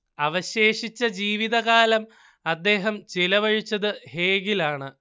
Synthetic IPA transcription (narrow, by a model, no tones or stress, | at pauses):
ɐʋɐɕe̞ːʂit͡ɕːɐd͡ʑiːʋiðɐɣaːlɐm | ɐd̪ːe̞ːɦɐmt͡ɕilɐʋɐɻit͡ɕːɐðɨhe̞ːɡilaːɳɨ